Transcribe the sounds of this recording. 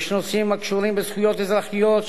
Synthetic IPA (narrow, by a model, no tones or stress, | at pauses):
ʃnosimakʃuɾĩmbəzχujot̪ezlaχijot̪